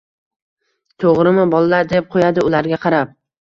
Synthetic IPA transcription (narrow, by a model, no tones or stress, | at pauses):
t̪ʰoʁɾɪmɪbɒlːaɾd̪ep̚qʰojad̪ɪʊlaɾɡʲaqʰɑɾap̚